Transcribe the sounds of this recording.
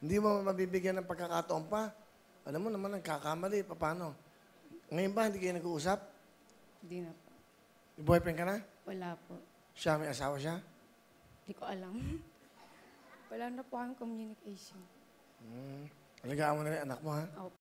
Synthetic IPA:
hɪnd̪imomɐbiːbɪɡjanɐŋpɐɡkːɐkat̪oʔompa | ʔɐlamːonɐmanːɐɡkakamɐlɪpɐpaːno̞ | ŋɐjonbahɪnd̪iːkɐjʊnɐɡuʔuːs̬ap̚ | ɪnd̪inɐpo | ɪbuːhɐjpɐɪnkɐnawɐlaːpoʔ | ʃamɐjʔɐsaːwaʃa | nd̪ikoʔɐlam | wɐlaːnɐpokɐmɪkomjunɪkʰajʃon | ʔɐlɐɡaːʔɐnmonɐɾɪnɐnak̚mo̞haop

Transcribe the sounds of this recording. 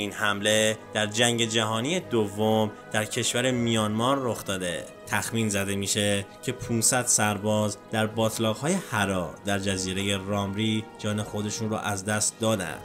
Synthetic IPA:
iːnhæmle̞d̪̥æɾd͡ʒæŋɟe̞d͡ʒæɦɒːnije̞d̪ovːo̞md̪̥æɾcʰe̞ʃvæɾe̞mijɒːnmɒːɾːo̞xt̪ɒːd̪e̞ | t̪ʰæxmiːnzæd̪e̞miːʃe̞cʰe̞pʰunsæd̪̥sæɾbɒːzd̪̥æɾbɒːt̪ʰlɒːɣhɒːje̞hæɾɒːd̪æɾd͡ʒæziːɾe̞je̞rɒːmɾiːd͡ʒɒːne̞xo̞d̪e̞ʃunrɔ̰ʔæzd̪æst̪̚d̪ɒːd̪æ̰nd̪

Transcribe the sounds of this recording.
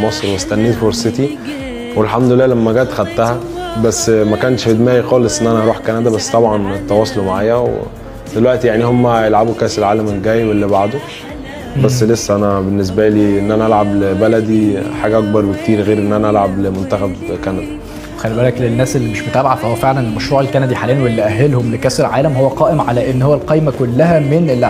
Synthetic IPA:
mɑsˤɾwest̪ænːiːt̪foɾset̪i | welħamd̪olelːæːlæmːæɡæːt̪xæd̪t̪æhæbæsːmækæːnʃfed̪mæːjixɑːlesˤʔenːʔænæʔɑɾuːħkænæd̪æbæsːt̪ˤɑbʕɑnt̪ːɑwɑːsˤolomaʕaːjæwḛ | d̪̥elwæʔt̪ijaʕnihomːæjelʕabukæːselʕaːlæmelɡæːjebelːibaʕd̪o | bæsːlesːæʔænæbenːes̬bæliːʔenːʔænæʔælʕablbælæd̪iħaːɡæʔɑk̚bɑɾˤwekt̪iːɾɣeːɾʔenːʔænæʔælʕablemont̪æxæbkænæd̪æ | wexælːibæːlæklenːæːselːimeʃmot̪ʔæbʕad̪fæhowːæfeʕlænelmæʃɾuːʕelkænæd̪iħaːlæːnwelːiʔæɦːelhomlekæːselʕaːlæmhowːæqɑːʔemʕalæʔenːhowːælqɑjmækolːæɦæmenelː

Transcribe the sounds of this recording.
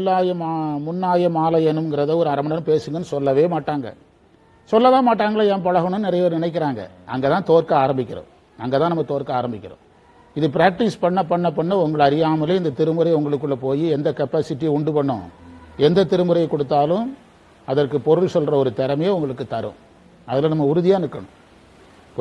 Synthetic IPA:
aːjɐmamʊnːaːjɐmaːlɐjɐnɯmŋɡɪɾɐðɐɔɾɯɐɾɐmɐɳɐnɯpeːsɯŋɡɐnːɯsɔlːɐʋeːmaːʈːaːŋɡɐ̰ | sɔlːɐʋeːmaːʈːaːŋɡɐɭaːjãːpɐɻɐɣɐɳʊnnɪɾɐjɐʋɐɾnɪnɐɪk̬ːɪɾaːŋɡɐ̰ | ʔɐ̰ŋɡeːt̪ãːt̪oːɾkɐaːɾɐmbɪkʲːɪɾõ̰ | ɐŋɡeːt̪ãːnɐmːɐt̪oːɾkɐaːɾɐmbɪkːɪɾõ̰ː | ɪðɯpɪɾaːk̚ʈɪspɐɳːɐpːɐɳːɐpːɐɳːɐʊŋɡɐɭɐɾɪjaːmɐleɪnd̪ɐt̪ɪɾɯmɯɾɐjʊŋɡɐɭɯkːɯɭːɐpoːjiɛnd̪ɐkɐpːaːsɪʈːijʊɳɖɯpɐɳːʊ̰̃ɛnd̪ɐt̪ɪɾɯmɯɾɐjɐkːɔɽɯt̪ːaːlɯ̃m | ɐðɐrkɯpɔɾɯlsɔlɾɐɔɾɯt̪ɛɾɐmɐjeʊŋɡɐɭɯkːɯt̪ɐɾɯ̰̃ | ɐðɪlɐnɐmːɐʊɾɯðɪjaːnɪɯɾɯkːɐɳʊ̰̃

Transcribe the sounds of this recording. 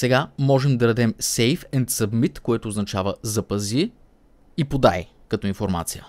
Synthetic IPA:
sɛɡamɔʒɛmd̪ɐɾɐd̪ɛmsɛjfɛnt̪sɐbmit̪koɛt̪oːznɐt͡ʃavəzɐpɐzi | ipod̪a̰j̰ | kɐt̪ɔinfoɾma̰t̪sijə̰

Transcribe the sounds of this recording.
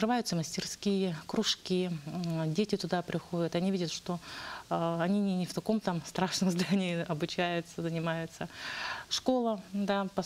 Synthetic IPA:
kɾɨvajʊt̪səməsʲtʲɪrskʲijəkɾʊʂkʲidʲetʲɪt̪ʊd̪apɾʲɪxo̞dʲət̪ɐnʲivʲidʲət̪ʂt̪o | ɐnʲinʲɪnʲɪft̪ɐko̞mt̪amst̪ɾaʂnəmzd̪anʲɪɪɐbʊt͡ɕæjʊt̪səzənʲɪmajʊt̪səʂko̞lˠəd̪apɐ

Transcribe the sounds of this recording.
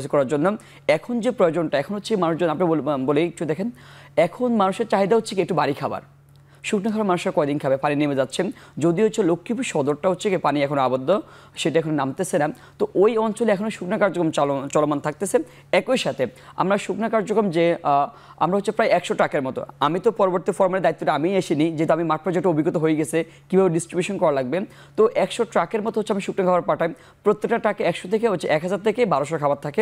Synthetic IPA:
d͡ʑʰikɔɾaɾd͡ʑonːo | ɛkʰond͡ʑepɾojod͡ʑonʈaɛkʰonɦotːɕʰemanuʃd͡ʑonapnibolejktʰud̪ɛkʰenɛkʰonmanuʃeɾt͡ɕaɦid̪aɦotːʰekiek̚ʈubaɾikʰaba̰ɾ | ʃukʰnakʰabaɾmanuʃeɾkɔed̪inkʰabepaninimed͡ʑatːɕʰed͡ʑod̪iɦotːɕʰelokʰːipuʃɔd̪oɾʈaɦotːɕʰekepaniɛkʰonoabod̪ːo | ʃeʈaɛkʰononamt̪et͡ɕʰena | t̪oʔojɔnt͡ɕoleɛkʰonoʃuknakaɾd͡ʑokɾomt͡ɕɔlomant̪ʰak̚t̪esʰe | ɛkojʃat̪ʰea̰mɾaʃuknakaɾd͡ʑokɾomd͡ʑe | a̰mɾaɦotːɕʰipɾajɛkʃoʈɾakeɾmɔt̪o̰amit̪opɔɾoboɾt̪ifɔɾmaleɾd̪ait̪ːoʈaamijeʃinid͡ʑet̪oamimaʈ̚pɾod͡ʑekʈoobʱiɡot̪oɦoeɡɛt͡ɕʰe | kibʱabeɖisʈɾibjuʃonkɔɾalaɡ̚be | t̪oʔɛkʃoʈɾakeɾmɔt̪oɦotːt͡ɕʰiamiʃuknakʰabaɾpaʈʰaj | pɾot̪ːek̚ʈaʈakeɛkʃot̪ʰek̬eɦotːt͡ɕʰeʔɛkɦad͡ʑaɾt̪ʰekebaɾoʃɔɾakʰabaɾt̪ʰːake

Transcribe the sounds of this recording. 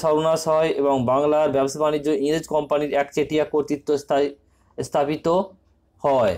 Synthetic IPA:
ʃɔɾonaʃɔeʔeboŋbaŋlaɾbɛboʃʰabanid͡ʑːoiŋɾed͡ʑkɔmpaniɾɛkt͡ɕeʈijakoɾt̪it̪ːo | st̪ʰapit̪o | hɔe

